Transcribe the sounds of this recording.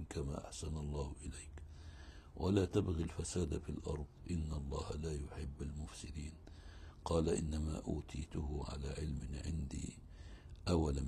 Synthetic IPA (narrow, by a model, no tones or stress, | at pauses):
nkama̰ːʔa̰ħsanɑlˤːɑːhʔɪlejk | wʔalaːt̪abɣilfasaːd̪afilʔɑɾˤðˤʔɪnːɑlˤːɑːhalaːjʊħɪbːalmʊfsɪd̪iːn | qɑːlaʔɪ̰nːama̰ːʔuːt̪ʰiːt̪ʊhʊʕa̰laːʕɪlmɪʕɪ̰nd̪ḭː | ʔawala